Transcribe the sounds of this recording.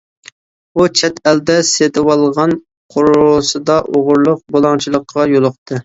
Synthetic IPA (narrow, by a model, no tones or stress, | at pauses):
ut͡ʃʰɛt̪ɛld̪ɛset̪ʰɪwɑlˠʁɑn | qʰʊɾʊsɨd̪ɑʔoʁʊɾlˠʊq̚bolˠɑŋt͡ʃʰilˠəqʰːɑjolˠʊqt̪ʰɨ